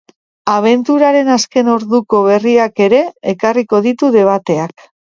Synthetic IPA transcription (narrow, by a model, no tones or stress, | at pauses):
aβ̞e̞nt̪uɾaɾe̞naske̞no̞ɾðuko̞β̞e̞riake̞ɾe̞ːkariko̞ðit̪uðe̞β̞at̪e̞ak